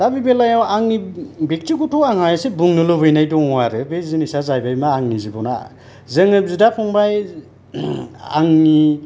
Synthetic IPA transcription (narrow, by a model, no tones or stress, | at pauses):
d̥abibelajawaŋnibek̚tikutʰɔaŋhajasebuŋnɯlɯbɯjnajdɔŋwaɾɯbezinisazajbajmaːŋnizibɔna̰ | zɯŋɯp̚zudapʰɔŋbaj | a̰ŋni